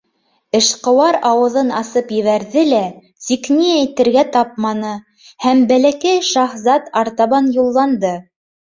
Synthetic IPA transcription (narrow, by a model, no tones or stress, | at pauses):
ɘ̆ʃqɤ̆wɑɾɑwɤ̆ðɤnɑsɤpjɘ̆βæɾðɘlæ | siknijæjt̪ɘ̆ɾɡæt̪ɑp̚mɑnɤ | hæmbælækæjʃɑχzɑt̪ɑɾt̪ɑβɑnjulˠːɑnd̪ɤ